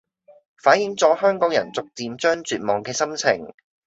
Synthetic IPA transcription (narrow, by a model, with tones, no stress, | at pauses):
faː˨˥njɪ˨˥ŋt͡sɔː˨˥hœː˥ŋkɔː˨˥ŋjɐ̰˨˩nt͡sʊ˨k̚t͡siː˨˧mt͡ʃœː˥ŋt͡ʃyː˨t̚mɔː˨˩ŋkɛː˧sɐ˥mt͡sʰɪ̰˨˩ŋ